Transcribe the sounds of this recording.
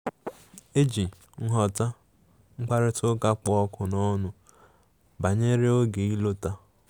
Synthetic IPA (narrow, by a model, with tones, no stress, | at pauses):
e˦d͡ʒi˨ | ŋ̩˦ɦɔ˨ta˦ | ŋ͡m̩˦k͡pa˦ɾɪ˦tʊ˦ka˦k͡pɔ˨˦ɔ˦kʊ˨nɔ˦nʊ˨ | ba˨ɲe˦ɾe˦o˦ɡe˨i˦lo˦ta˦